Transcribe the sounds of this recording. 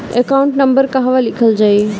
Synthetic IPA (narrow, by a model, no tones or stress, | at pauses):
ekaʊ̃ɳʈnəmbəɾkaɦʋalikʰəld͡ʒaːi